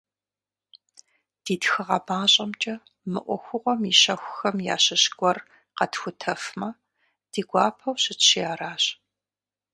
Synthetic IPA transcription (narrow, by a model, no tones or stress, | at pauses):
d̥iːtxɨʁɐbaːɕʼɐmt͡ʃʼɐ | mɨʔʷɔxʷʊʁʷɔmiʃɐxʷʊxɐmja̰ːɕɐɕɡʷɔr | qɐtxʷʊtʰɐfmɐ | d̥iːɡʷɑːpʰɐwɕɪt͡ʃɕɪjaːɾaːɕ